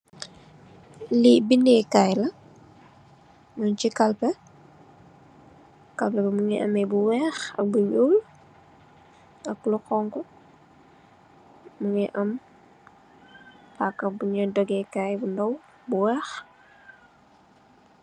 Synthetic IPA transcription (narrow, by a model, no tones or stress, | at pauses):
libindɛkajlɐ | mɔɲt͡ʃikɐlpɛ | kɐlpɛbɛmuŋɛʔɐ̰mɛbuwɛːxɐ̰k̚buɲuːl | ɐklukɔŋkɔ | muŋɛʔɐm | pakːɐbuɲɐdɔɡɛkaːjbundɐw | buwɛːx